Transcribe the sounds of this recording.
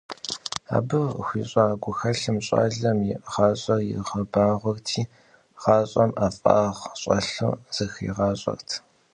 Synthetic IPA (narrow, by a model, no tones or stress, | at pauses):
a̰ːbɨxʷiːɕʼaːɡʷʊxɐɬɨmɕʼa̰ːɮɐmjɪʁɑːɕʼɐrjɪ̰ʁɐbaːʁʷɔrtʰiː | ʁ̥ɑːɕʼɐmʔaːfʼɑ̰ːʁɕʼɐɬṵz̥ɐxḭʁɑːɕʼɐ̰rtʰ